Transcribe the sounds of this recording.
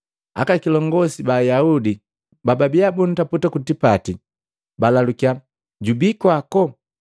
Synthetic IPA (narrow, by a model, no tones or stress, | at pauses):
a̰kakilɔŋɡɔsibajaudi | bababiabun̩taputakutipati | balalukia | ɟubikwakɔ